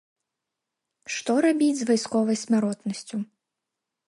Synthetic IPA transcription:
ʂt̪ɔɾabʲid͡zʲzvajskɔvɐjsʲmʲaɾɔt̪nɐsʲt͡sʲu

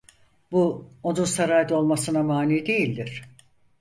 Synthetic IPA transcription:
buo̞nunsaɾaːjd̪o̞lˠmasɯnamaːnʲiːid̪e̞jilʲd̪iɾ̥

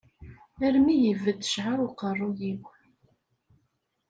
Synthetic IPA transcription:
æɾmijəvːəd̪ə̥ʃʕaɾʊqərˤːujiw

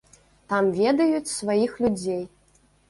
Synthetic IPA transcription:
t̪amvʲɛd̪ɐjut͡sʲsvajixlʲud͡zʲej

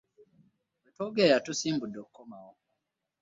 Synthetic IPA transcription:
wetoɡejatusiːmbudːokukomawo

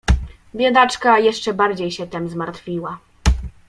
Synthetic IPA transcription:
bʲjad̪at͡ʂkajɛʂt͡ʂɛbaɾd͡ʑejɕɛt̪ɛmzmaɾt̪fʲiwa

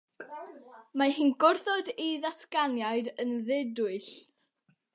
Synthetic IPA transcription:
mahiːnɡʊrθɔdiðaθkanjaɨdənðɪdʊɨɬ

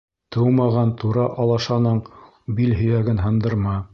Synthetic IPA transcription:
t̪ʰɤwmɑʁɑnt̪ʰuɾɑʔɑlˠɑʃɑnɤɴ | bilɦɵ̆jæɡɘnɦɤ̆nd̪ɤ̆ɾmɑ

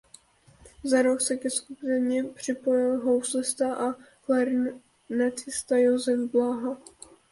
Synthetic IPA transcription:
zaɾoksɛkɛskupɛɲɛpr̝̥ɪpojɪlɦowslɪst̪aʔa | flaɾ | nat͡sɪst̪ajozɛvblaɦa

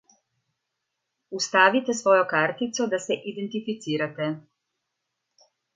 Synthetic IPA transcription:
ust̪aːʋit̪ɛsʋɔːjɔkaːɾt̪it̪sɔd̪asɛʔid̪ɛnt̪ifit̪siːɾat̪ɛ

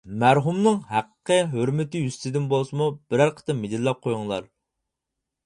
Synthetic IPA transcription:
mæɾɦumnɨŋhæqəqəɦøɾmɪt̪ɪjyst̪ʰɪd̪ɪnbolˠsɨmub̥ɪɾæɾqʰə̥t̪ɨmed̪ɪlːɛp̚qʰojʊŋlˠɑ̰ɾ

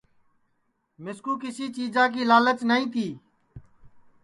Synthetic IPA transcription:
mɪskuːkɪsiːt͡ʃiːd͡ʒãːk̬iːlaːlət̪nəĩːt̪ʰiː

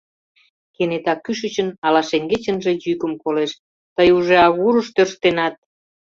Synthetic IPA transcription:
kenet̪ɑkːyʃət͡ɕə̆nɑlɑʃeŋɡet͡ɕənʒe̽jykəmkoleʃ | t̪əjuʒeɑɣuɾəʃt̪ørʃt̪enɑt̪̚

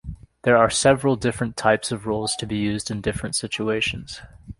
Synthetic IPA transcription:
ðə˞a˞sɛvɹəl̩ˠdɪfɹɨ̃ntʰaɪpsʌvɹulˠz̥tʰɨbijʉzdɨ̃ndɪfɹɨ̃ntsɪt͡ʃueɪʃɨ̃nz̥

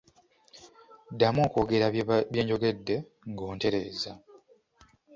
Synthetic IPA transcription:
dːamoːkoːɡe̞ɾaje̞ːɲɟo̞ɡe̞dːe̞ | ŋɡo̞ːnte̞ɾe̞ːza

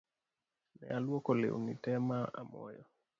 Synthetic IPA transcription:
nɛ̰alwɔkɔlḛunitɛmaʔa̰mɔ̰jɔ

